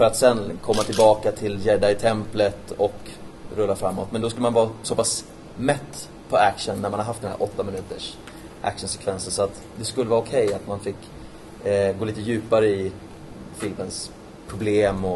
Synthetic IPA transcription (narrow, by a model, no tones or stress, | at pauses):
fœɾat̪sɛnkʰɔmːat̪ʰɪlbɑːkat̪ʰɪljɛɖ̪ːaɪt̪ʰɛmplət̪ɔkɾɵlːafɾamːɔt̪mɛnd̪ɔskɵləmanvɑːsɔpʰas | mɛt̪ː | pʰɔækʂənːæɾmanhaɾɦaft̪ɛnæ̰ɾʔɔt̪ːamɪnʉ̟ːt̪əʂ | ʔæ̰kʂənsɛ̥kʰvɛnsənsɔat̪ | d̪ɛskɵlːəvɑːʊkʰɛjat̪manfɪkː | ɡoːliːt̪əjʉ̟ːpaɾəɪ | fɪlməns | pʰɾʊbleːmɔ